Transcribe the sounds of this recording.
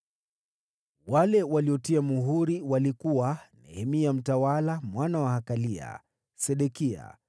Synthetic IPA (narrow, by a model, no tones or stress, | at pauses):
walɛwaliɔtiamuɦuɾiwalikuwanɛ̰hɛmiam̩tawalamwanawahakalia̰ | sɛɗɛkia̰